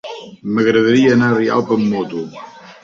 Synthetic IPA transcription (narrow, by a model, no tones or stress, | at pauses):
məɣɾəðəɾiənaria̰lpəmːɔt̪u